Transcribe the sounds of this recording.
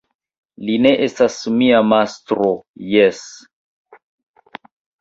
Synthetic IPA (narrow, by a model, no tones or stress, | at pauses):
line̞ʔestasmiamastɾojes